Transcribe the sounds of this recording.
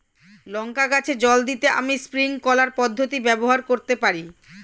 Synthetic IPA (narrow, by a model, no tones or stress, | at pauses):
lɔŋkaɡat͡ɕʰed͡ʑɔld̪it̪eʔa̰mispɾiŋkɔlaɾpɔd̪ʱːot̪ibɛboɦaɾkoɾt̪epaɾi